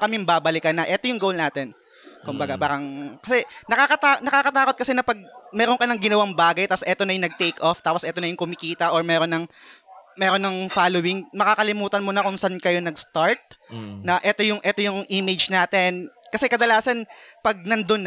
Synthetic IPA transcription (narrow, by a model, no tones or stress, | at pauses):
kɐmɛmbaːbɐlɪkɐnɐʔɛt̪o̞jʊŋɡowlnaːt̪ɛn | kʊmbɐɡabaːɾɐŋkɐsɛnɐkakɐt̪anɐkaːkɐt̪aːkot̪̚kɐsɛnɐpɐɡ̚mɛːɾonkɐnɐŋɡɪnɐwaŋbaːɡɐjt̪asʔɛt̪onɐjʊŋnɐɡ̚t̪ejkʔoft̪aːposɛːt̪onɐjʊŋkʊmɪkiːt̪ɐʔoɹmɛːɾonɐŋ | mɛːɾonːɐŋfaːlowɪŋmɐkaːkɐlɪmuːt̪ɐnmonɐkʊŋsankɐjo̞nɐɡst̪aɹt̪̚nɐʔɛt̪o̞jʊŋʔɛt̪o̞jʊŋʔimɪd͡ʒnaːt̪ɛnkɐsɛkɐd̪ɐlaːsɐnpɐɡ̚nɐnd̪on